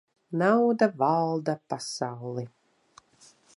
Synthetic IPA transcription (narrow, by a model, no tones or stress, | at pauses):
nawd̪avalˠd̪apasawlˠi